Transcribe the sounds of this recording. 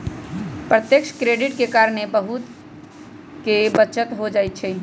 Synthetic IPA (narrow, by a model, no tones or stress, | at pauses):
pɾət̪jəkʃkɾeɖiʈkekaɾənebəɦut̪ | kebətːt͡ʃət̪ɦod͡ʒajt̪̚t͡ʃʰɛ